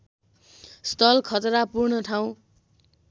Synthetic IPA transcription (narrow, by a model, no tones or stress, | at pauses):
st̪ʰʌlkʰʌt̪ɾapurnʌʈʰaw̃